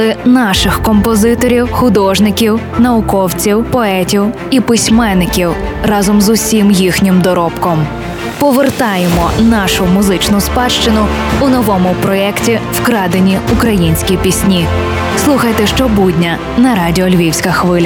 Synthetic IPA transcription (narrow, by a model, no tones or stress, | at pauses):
ɪnɑʃɪxkɔmpɔzɪt̪ɔɾʲiwxʊd̪ɔʒnɪkʲiwnɐʊkɔwt͡sʲiwpɔɛtʲiw | ipɪsʲmɛnːɪkʲiwrɑzɔmzʊsʲimjixnʲɪmd̪ɔɾɔpkɔm | pɔʋert̪ɑjemɔnɑʃʊmʊzɪt͡ʃnʊspɑʃt͡ʃɪnʊʊnɔʋɔmʊpɾɔɛktʲiwkɾɑd̪enʲiʊkɾɐjinʲsʲkʲipʲisʲnʲi | slˠuxɐjt̪ɛʃt͡ʃɔbudʲnʲɐ | nɐɾɑdʲiɔlʲʋʲiwsʲkɐxʋɪlʲɐ